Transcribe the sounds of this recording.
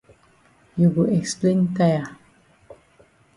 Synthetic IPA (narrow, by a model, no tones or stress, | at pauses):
juɡuɛksplẽntaa